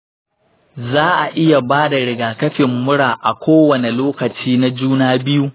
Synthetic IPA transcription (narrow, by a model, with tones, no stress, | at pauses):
zaː˦ʔa˨ʔɪ˦ja˨baː˦da˨ɽɪ˨ɡaː˨kɐ˦ɸɪ˨mːʊ˦ɽaː˨ʔa˨kʷʰoː˦wɐ˨ne˨loː˦kɐ˨t͡ʃiː˦na˦d͡ʒuː˦naː˦bɪ˦ju˦